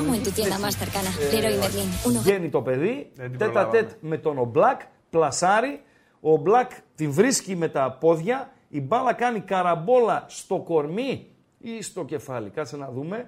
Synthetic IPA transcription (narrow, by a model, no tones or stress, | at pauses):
mont̪ut̪ienɐmast̪eɾkɐnɐeɾoimeɾlinunenit̪o̞pe̞ðit̪et̪ɐt̪e̞t̪me̞t̪o̞no̞blɐk | plɐsɐɾi | o̞blɐkt̪iɱvɾiscime̞t̪ɐpo̞ðʝɐ | ibɐlɐkɐnikɐɾɐbo̞lɐst̪o̞ko̞ɾmi | ist̪o̞ce̞fɐlikɐt͡sinɐðume̞